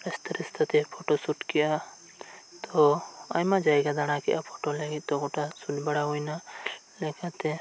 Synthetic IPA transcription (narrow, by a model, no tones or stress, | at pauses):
ɛst̪əɾist̪ʰat̪ɛpʰɔʈɔsuʈkɛʔa | t̪ɔajmad͡ʒajɡad̪aɽ̃akɛ̰ʔapʰɔʈɔlaɡit̪̚ˀt̪ɔɡɔʈasuʈbɛɽaɦujna | lɛkat̪ɛ